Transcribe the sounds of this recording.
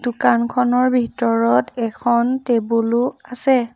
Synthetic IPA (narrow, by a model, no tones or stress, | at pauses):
d̥ukankʰɔnɔɹbʱitɔɹɔtɛkʰɔntebulʊasɛ